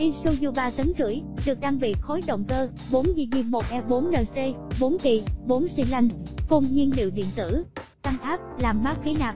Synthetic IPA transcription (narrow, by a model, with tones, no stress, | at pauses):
ʔi˧nsu˧ɲu˧˩ɓaː˧˩t̪ə˨˦nzɨ̰˧˩əjɗɨ˨˩ək̚ɗaː˧ŋɓḭ˧˨xo˨˦jɗə̰˧˨wŋ͡mkəː˧ | ɓo˨˦nzi˧ɲi˧mmo˨˩t̚ʔɛ˧ɓo˨˦nləː˨˩nse˧ɓo˨˦nk̪i˧˩ɓo˨˦nsi˧ŋla˧jŋ̟fu˧ŋ͡mɲi˧nlḭ˧˨wɗḭ˧˨ənt̪ɨ̰˧˩ | t̪a˧ŋʔaː˦˥p̚laː˨˩mmaː˦˥k̚xi˨˦naː˨˩p̚